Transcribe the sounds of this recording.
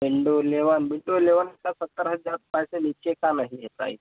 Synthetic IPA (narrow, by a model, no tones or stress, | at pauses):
biɳɖoleʋanbiɳɖoleʋankasət̪ːəɾɦəd͡zaɾpajseniɕʰekanaɦijet̪a̰ḭ